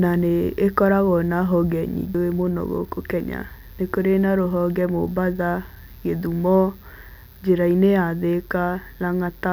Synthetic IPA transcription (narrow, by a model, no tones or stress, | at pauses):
naneːkɔɾaɣɔnaɦɔɡɛɲḭd͡ʒoemonɔ̰ɣɔ̰kokɛɲa̰ | nekoɾenaɾoɦɔɡɛmo̰baða | ɣeðumɔ | d͡ʒeɾaineaðekanaŋata